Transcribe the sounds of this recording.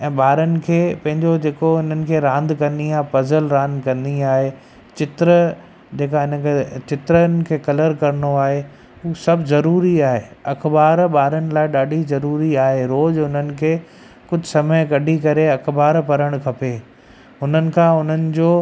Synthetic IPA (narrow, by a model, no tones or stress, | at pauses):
ɛ̃ːɓaːɾənɪ̆kʰeːpɐ̃ɦɪ̃ɲd͡ʑod͡ʑeːkoɪn̤ənɪ̆kʰeːɾãːnd̪kɐ̃nd̪iaːɦepɐzəlɾãːnd̪kɐ̃nd̪iaːɦe | t͡ɕɪt̪ɾə | d͡ʑeːkaɪnəkʰet͡ɕɪt̪ɾənɪ̆kʰeːkɐləɾkɐɾɪnoaːɦe | uːsɐbʱzɐɾuːɾiaːɦeːɐxbaːɾɓaːɾənɪ̆laːɪɗaːɖʱizɐɾuːɾiaːɦeɾoːd͡ʑɦʊnənɪ̆kʰeː | kʊd͡ʑʱsɐməjkɐɖʱikɐɾeɐkbaːɾpɐɾəɽ̃kʰɐpeː | ɦʊn̤ənɪ̆kʰãːɦʊn̤ənɪ̆d͡ʑoː